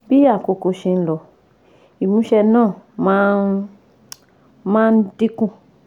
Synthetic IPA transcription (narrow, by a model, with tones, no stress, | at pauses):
bi˦a˦˨ko˧ko˧ʃe˧n̩˦lɔ˨ | i˨mũ˨˦ʃɛ˧nãː˦˨mãː˦n | mãː˦n̩˦di˦kũ˦˨